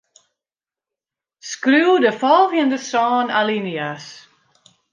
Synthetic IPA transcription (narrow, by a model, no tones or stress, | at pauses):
skɾuːdəfɔlˠvjə̃ndəsɔːnalinias